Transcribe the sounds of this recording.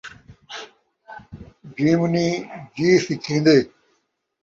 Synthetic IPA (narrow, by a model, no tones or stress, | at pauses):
d͡ʑiːmnĩːd͡ʑiːsikʰĩːnd̪eː